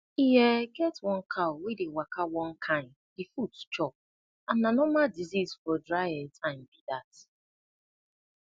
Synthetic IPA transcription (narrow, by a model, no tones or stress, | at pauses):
ijɛɡɛtwɔ̃nkʰaʊwedewakawɔ̃n̩kʰãn | difutt͡ʃɔp̚ | ãnːanɔmadizizfɔdɹaɛtãnbidat